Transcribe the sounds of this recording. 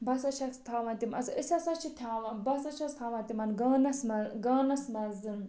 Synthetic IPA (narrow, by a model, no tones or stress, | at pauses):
bɐsɐʃʰɐst̪ʰaːʋɐ̃nt̪imɐsɨʔɨsʲɐsɐt͡ʃʰit̪ʰʲaːʋɐnbɐsɐt͡ʃʰɐst̪ʰaːʋɐ̃nt̪imɐnɡɐːnɐsmɐɡɐːnɐsmɐzɨm